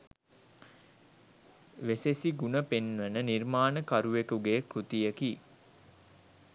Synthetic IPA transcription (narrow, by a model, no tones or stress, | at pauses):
ʋesesiɡunəpenʋənənirmaːnəkaɾuʋekuɡeːkɾut̪ijəki